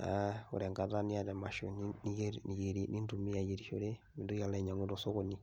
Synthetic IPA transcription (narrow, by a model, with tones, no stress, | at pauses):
a̰˨o̰˨ɾɛ˨ŋɡa˨ta˦ni˦a˦˨dɛ˨ma˨ʃo˨n˦ni˦e˦˨ni˨je˨ɾi˨ni˦ndu˨mi˦a˨je˨ɾi˨ʃo̰˨ɾe˦ | mi˨ndo˦ja˨lɛ˦˨ɲa˨ŋu˦tɔ˨so˦ko˨ni˦˨